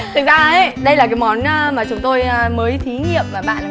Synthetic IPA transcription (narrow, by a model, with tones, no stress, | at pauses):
t̪ʰɨ˨˩k̚zaː˧ə˨˦ɗə˧jlaː˨˩k̬aː˨˦jmɔ˨˦n˧maː˨˩t͡ɕʊ˨˦ŋ͡mt̪o˧jməː˨˦jt̪ʰi˨˦ŋḭ˧˨əmːaː˨˩ɓa̰ː˧˨n˨